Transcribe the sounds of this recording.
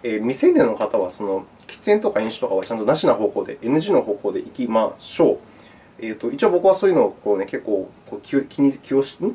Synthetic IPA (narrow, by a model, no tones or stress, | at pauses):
eːmʲisẽ̞nd̪ʲenːo̞kat̪aβ̞aso̞no̞ | kʲi̥t͡sɨẽ̞nt̪o̞kaẽɰ̃ɕɨ̥t̪o̞kaβat͡ɕãnt̪o̞naɕinaɦo̞ːko̞ːd̪e̞̰ʔenɯ̟ʑiːno̞ɦo̞ːko̞ːd̪e̞ʔikʲimaɕo̞ː | eːt̪ːo̞it͡ɕioːbo̞kɯ̟βaso̞ːjɯ̟no̞ːkone̞ke̞kːo̞ːkoːkʲiokʲʰiɲ̟ikʲioɕni